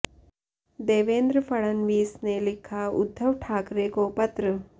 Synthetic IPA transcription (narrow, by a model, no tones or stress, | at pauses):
d̪eːʋeːnd̪ɾəfɐɭɐnʋiːsneːlikʰaṵd̪ʱːɐʋʈʰaːkɾeːkoːpɐt̪ɾɐ